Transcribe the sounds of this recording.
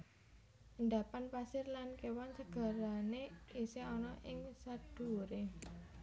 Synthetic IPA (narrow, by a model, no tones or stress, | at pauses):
ʔənd̪apanpasɪrlankewɔnsəɡ̥a̤ɾaneiseɔnɔʔɪŋsad̪̥ṳɾe